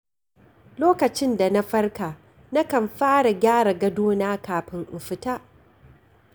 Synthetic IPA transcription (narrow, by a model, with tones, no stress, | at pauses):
loː˦kɐ˨t͡ʃɪ˦nda˨na˦ɸɐ˦rkaː˨ | na˦kɐ˨mɸaː˦ɽa˨ɡʲaː˦ɽa˨ɡɐ˦doː˦naː˦kaː˨ɸɪ˦ŋʔɪ˨ɸɪ˦ta˦ʔ